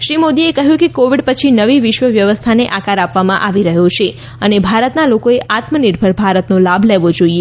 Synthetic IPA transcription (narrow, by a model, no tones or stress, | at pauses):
ʃɾimod̪iekəɦjũkekoʋiɖpət͡ʃʰinəʋiʋɪʃʋəʋjəʋəst̪ʰaneʔakaɾapʋamãʔaʋiɾəɦot͡ʃʰe | ənebʱaɾət̪nalokoeʔat̪məniɾbʱəɭbʱaɾət̪nolabʱleʋod͡ʒoie